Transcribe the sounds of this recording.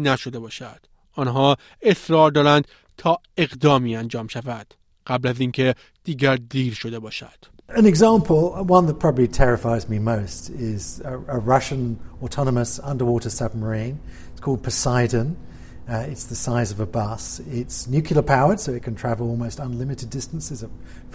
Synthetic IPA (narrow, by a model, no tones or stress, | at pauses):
næʃod̪e̞bɒːʃæd̪̥ | ɒːnɦɒː | esɾɒːɾd̪ɒːɾænd̪̥ | t̪ʰɒː | e̞ɣd̪ɒːmiːænd͡ʒɒːmʃævæd̪̥ | ɢ̥æblæziːŋkʰe̞ | d̪̥iːɡæɾd̪iːɾʃo̞d̪e̞bɒːʃæ̰d̪̥ | ɨ̃nɨɡzɑ̃ˑmpʰəl̩ˠwʌ̃nðət̚pʰɹ̥ɑbəblitʰɛɹɨfaɪzmimoʊstʰɪzəɹʌʃə̃nɔtʰɑnəməsʌ̃ndə˞wɔɾəsʌb̚məɹĩn | ɪtskʰɔlˠd̚pʰəsaɪdɨ̃n | ɪtsðəsaɪzʌvəbʌsɪtsnjʉkʰjl̩ˠəpʰaʊə˞d̥soʊɨt̚kʰntʰɹ̥ævəl̩ˠɔlˠmoʊstə̃nlɪmɨtɨdɪstə̃n̩sɪzʌ